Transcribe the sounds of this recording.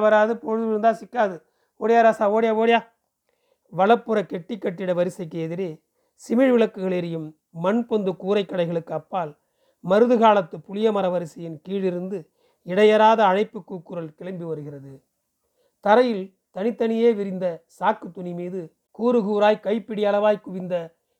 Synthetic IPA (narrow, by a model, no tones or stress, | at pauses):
ʋɐɾaːðɯpɔɻɯðɯʋɪɾɯnd̪aːsɪkːaːðɯ | oːɽɪjaːɾaːsaːoːɽɪjaːʋoːɽjaː | ʋɐlɐpːɯɾɐkɛʈːɪkːɐʈːɪɽɐʋɐɾɪsɐɪkːeɛðɪɾeː | sɪmɪɻʋɪɭɐkːɯɣɐɭeɾɪjɯmː | ɐnpɔnd̪ɯkuːɾɐɪkːɐɽɐɪɣɐɭɯkːɯɐpːaːl | mɐɾɯðɯɣaːlɐt̪ːɯpʊlɪjɐmɐɾɐʋɐɾɪsɐjɪnkiːɻɪɾɯnd̪ɯ | ɪɽɐjɐɾaːðɐːnɐɪpːɯkːuːkːɯɾɐlkɪɭɐmbiʋɐɾɯɣɪrɐðɯ | t̪ɐɾɐjɪl | t̪ɐnɪt̪ːɐnɪjeːʋɪɾɪnd̪ɐsaːkːɯt̪ːʊnimiːðɯ | kuːɾɯɣuːɾaːjkɐɪpːɪɽɪjɐlɐʋaːjkʊʋɪnd̪ɐ